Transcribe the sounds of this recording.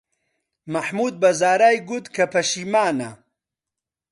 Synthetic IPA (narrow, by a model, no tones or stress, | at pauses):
mɐħmuːd̪̚bɐzaːɾaːjɡut̪kʰɐpʰɐʃiːmaːnɐ